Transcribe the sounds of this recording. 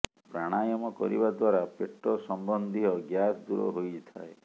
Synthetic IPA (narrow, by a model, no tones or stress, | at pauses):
pɾaɽ̃ajɔmɔkɔ̰ɾḭbad̪waɾapeʈːɔsɔmbɔnd̪ʱiɦɔɡjasd̪uɾɔ̰ɦojt̪ʰa̰e